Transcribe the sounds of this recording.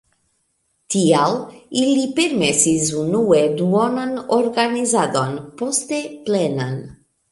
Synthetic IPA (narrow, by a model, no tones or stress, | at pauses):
t̪ialilipeɾmesizunuwed̪uɔnanoɾɡanizad̪ɔnpɔst̪eplɛnan